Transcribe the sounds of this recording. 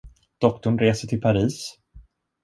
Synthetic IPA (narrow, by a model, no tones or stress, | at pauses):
d̪̥ɔkt̪ʊɳɾeːsəʈʰɪlpʰaɾiːs